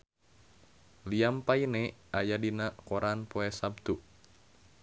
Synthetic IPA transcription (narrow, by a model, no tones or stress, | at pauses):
liampainɛajadinakɔɾanpoɛsab̚t̪u